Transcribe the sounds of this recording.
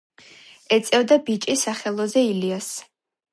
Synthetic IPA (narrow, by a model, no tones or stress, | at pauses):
ɛt̪sʼɛvd̪abit͡ʃʼisaχɛlˠɔzɛilias